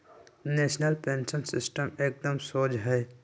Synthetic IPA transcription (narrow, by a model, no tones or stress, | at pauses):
neːʃnəlpẽːnsənsɪ̰sʈəmeːk̚d̪əmsoːd͡ʒɦɛː